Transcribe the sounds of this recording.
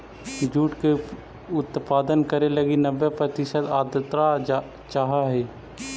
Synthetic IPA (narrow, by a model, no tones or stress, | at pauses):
d͡ʒuːʈke | ʊt̪paːd̪ənkəɾeləɡinəʋːepɾət̪ɪʃət̪aːd̪ət̪ɾa | t͡ʃaːɦaɦɛː